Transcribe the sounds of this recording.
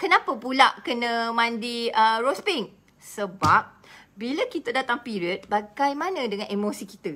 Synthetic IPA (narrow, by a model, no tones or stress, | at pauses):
kənãpəpulaʔkənə̃mãndiəɾospiŋ | səbap̚ | bilakit̪ədat̪aŋpiɾiət̪̚baɡajmãnə̃dəŋãnʔemosikit̪ə